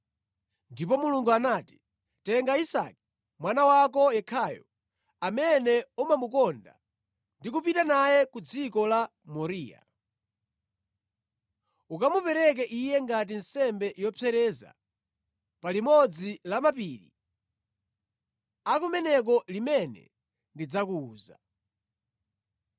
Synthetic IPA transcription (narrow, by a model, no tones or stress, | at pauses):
ndipɔmuluŋɡuanaːti̥ | tɛŋɡaisa̰ki̥ | mwanawak̬ɔjɛkʰaːjɔ̰ | amɛnɛumamukɔnda̰ | ndik̬up̬itanajɛkud͡zikɔla | mɔɾiːja̰ | ukamupɛɾɛk̬ɛʔijɛŋɡat̬in̩sɛmbɛʔjɔpɛɾɛza̰ | palimɔd͡zilamapiɾḭ | akumɛnɛk̬ɔlimɛnɛ̰ | ndid͡zakuːza̰